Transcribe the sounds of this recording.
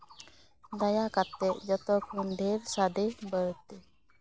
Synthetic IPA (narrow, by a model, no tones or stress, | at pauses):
d̪ajakat̪ːɛʔd͡ʒɔt̪ɔkʰɔnd̪ɛɾsad̪ɛbəɾt̪ɛ